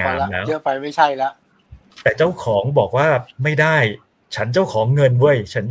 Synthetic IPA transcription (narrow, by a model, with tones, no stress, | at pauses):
aː˧˩˧lɛː˦˥wɯ˦˥fa˧jma˥˩jt͡ɕʰa˥˩jlɛ˦˥ʔ | t̪ɛː˨˩t͡ɕa˥˩wkʰɔː˩˦ŋbɔː˨˩k̚waː˥˩ma˥˩jdaː˥˩j | t͡ɕʰa˦˥nt͡ɕa˥˩wkʰɔː˩˦ŋːɤ˧nwu˥˩əjt͡ɕʰa˦˥n